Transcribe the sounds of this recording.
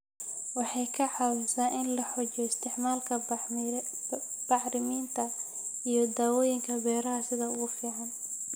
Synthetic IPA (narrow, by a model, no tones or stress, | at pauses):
wɑħɑjkʰɐʕɑwɪsaːʔɪnlɐħɔt͡ʃɔɪst̪ʰɪʕmaːlkʰɐ | b̥ɑħɾɪmiːnt̪ʰɐ | ijɞd̪aːwɔːjɪŋkʰɐbɛːɾɐɦɐsɪðɐʊɣʊfiːʕɑn